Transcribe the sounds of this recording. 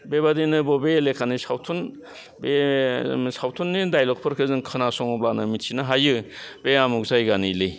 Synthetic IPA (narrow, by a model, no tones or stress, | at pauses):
bebadinɯbɔbeːlekʰanisawtʰun | be | sawtʰunːidajlɔk̚pʰɯɾkʰɯzɯŋkʰɯnasɔŋɔblanɯmitsʰinaɦajɯbeamuk̚zajɡanilɯj